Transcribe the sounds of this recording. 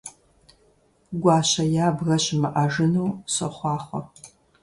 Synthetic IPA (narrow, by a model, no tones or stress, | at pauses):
ɡʷɑːɕɐjaːbɣɐɕmɨʔɐʒɨnuːsɐχʷɑːχʷɔ̰